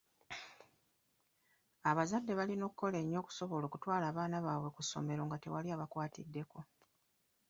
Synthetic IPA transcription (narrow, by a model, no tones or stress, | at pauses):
aβazadːe̞βalino̞ːkuko̞le̞ːɲːo̞ːku̥so̞βo̞loːkutwaːlaːβaːnaβaːwe̞kusːo̞̰me̞ɾo̞ːŋɡate̞̰waliaːβakwaːtḭdːe̞ko̞